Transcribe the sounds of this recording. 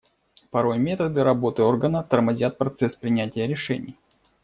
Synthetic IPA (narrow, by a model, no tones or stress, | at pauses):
pɐɾo̞jmʲe̞t̪əd̪ɨɾɐbo̞t̪ɨo̞rɡənət̪ərmɐzʲat̪̚pɾɐt̪sɛspɾʲɪnʲætʲɪjəɾʲɪʂɛnʲɪ̰j